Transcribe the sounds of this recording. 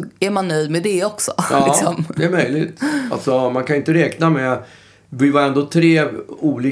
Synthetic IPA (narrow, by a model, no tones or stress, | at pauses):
æɾmanːœjd̪mɛd̪ɛɔksɔʔɑksɔmd̪ɛæɾmœjlɪt̪a̰lt̪sɔmankʰanʏɪnt̪əɾɛːknamɛ | vɪvaɾɛnd̪oːt̪ʰɾeːuːliː